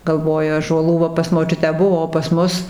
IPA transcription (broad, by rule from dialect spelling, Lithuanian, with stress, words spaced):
ɡɐlˠˈʋoːjʊ ɑːʒuɔˈlˠuː ʋɐ pɐs moːˈt͡ʃʲʊtʲæː ˈbʊʋoː oː pɐs ˈmʊs